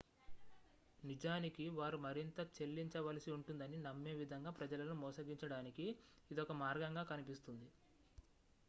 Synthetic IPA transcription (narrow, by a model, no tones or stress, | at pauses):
nid͡ʒaːnikiʋaːɾumɐɾint̪ɐt͡ʃe̞lːiɲt͡ʃɐʋɐlɐsiuɳʈund̪ɐninɐmːe̞ːʋid̪ʱɐŋɡaːpɾɐd͡ʒɐlɐnumɔːsɐɡiɲt͡ʃɐɽaːnikiː | d̪ɔkɐmaːɾɡɐŋɡaːkɐnipist̪und̪i